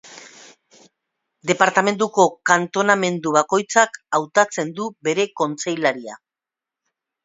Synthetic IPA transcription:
d̪e̞paɾt̪ame̞nd̪uko̞kant̪o̞name̞nd̪uβako̞jt͡sakawt̪at͡se̞nd̪ube̞ɾe̞ko̞nt͡se̞jlaɾia̰

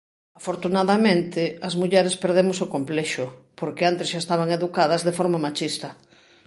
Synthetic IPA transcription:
afoɾt̪unaðamẽnt̪ɪɐzmuʎɛɾespeɾðemosokomplɛʃʊpoɾkeant̪ɪsʃaest̪aβaŋeðukað̞ɐzðefoɾmamat͡ʃist̪ɐ

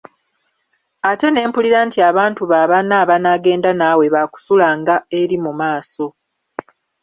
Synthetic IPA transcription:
ate̞ne̞ːmpuliɾantiaβaːntuβaːβanaːβanaɡe̞ːndanaːwe̞βaku̥sulaːŋɡae̞ɾimumaːso̞

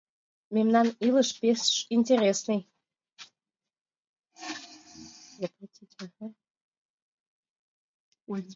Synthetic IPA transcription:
mʲemnanilɨʂpʲesʂinʲtʲeɾʲesnɨj | zapratʲʰitʲaha

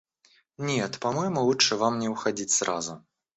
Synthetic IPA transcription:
nʲɛt̪pamɔjmɔlut͡ʂɨvamnʲɛwxad͡zʲit͡sʲsrʔa̰zu

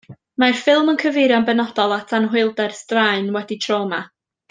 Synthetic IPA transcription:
marfɪlˠmənkʰəvɪɾjɔnbɛnɔd̥ɔlˠatʰanɦʊɨlˠdɛrstraɨnwɛditʰroːma

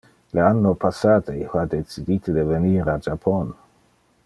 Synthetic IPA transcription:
leanːopasaːd̪ehad̪et͡sid̪it̪ʰed̪eveniːɾad͡ʒapʰon

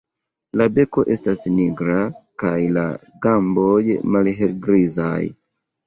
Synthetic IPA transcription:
labe̞ko̞ʔe̞stasniɡɾakajla̰ | ɡambojmalɦelɡɾiza̰j

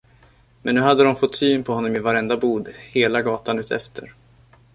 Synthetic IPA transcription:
mɛnːʉ̟ːɦad̪ːəd̪ɔmfɔt̪ːsyːnpʰɔhɔnːɔmɪvaɾɛnd̪abuːd̪heːlaɡɑːt̪anʉ̟ːt̪ʰɛ̰ft̪ʰə̰ɾ

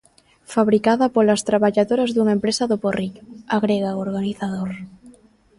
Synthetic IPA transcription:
faβɾikaðapolast̪ɾaβaʎaðoɾazðuŋaempɾesaðoporikaɣɾeɣaoɾɣaniθað̞oɾ

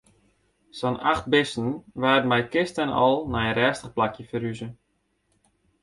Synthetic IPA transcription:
sɔnaxt̚bɪsn̩ʋaːdmɛjkɪstənɔ̰lˠnajənrɛːstəχplakjəfəɾyzə

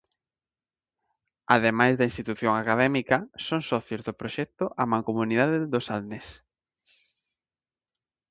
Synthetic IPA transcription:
aðemajzðɐinst̪it̪uθjoŋakaðɛmikɐsoŋsɔθjozðopɾoʃɛk̚t̪ʊʔamãŋkomuniðaðeðosalnes

